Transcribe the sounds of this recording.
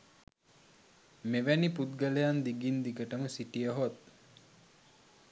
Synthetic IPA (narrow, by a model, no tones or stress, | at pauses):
meʋæniput̪̚ɡəlejand̪iɡind̪ikəʈəməsiʈijəɦot̪̚